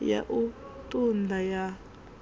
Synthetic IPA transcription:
ja̰ʔutʼundʱaja

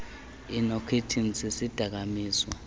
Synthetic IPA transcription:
inɔkʰetʰinsisid̥ʱak̬amiːswa

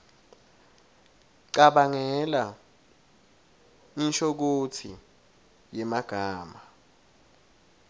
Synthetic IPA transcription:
ǀaɓaŋɛla | inʃok̬otʰḭ | jɛmaɡ̥ʱaːma

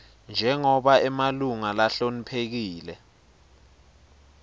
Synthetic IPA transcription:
nd͡ʒʱɛŋɔɓaɛmaluŋalaɬonipʰek̬iːlɛ

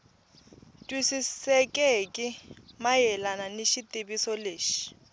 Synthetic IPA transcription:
tʼwisisɛkʼɛkʼɪmajɛlananiʃitʼibisɔleːʃi̥

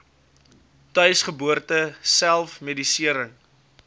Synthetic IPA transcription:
tœɥsχəbuərtəsælˠfmedisiəɾəŋ

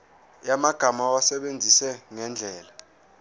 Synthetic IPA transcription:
jamaɡ̥ʱamawasɛɓend͡zʱisɛŋɛnd͡ɮʱɛːla

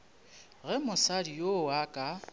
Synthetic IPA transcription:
ɣɛmʊsadijowakʼa

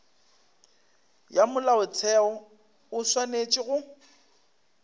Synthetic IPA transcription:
jamʊlaʊt͡sʰɛɔ | ʊswanet͡ʃʼɪɣʊ

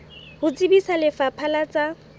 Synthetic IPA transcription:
hʊt͡sʼibisalɪfapʰalat͡sʼa

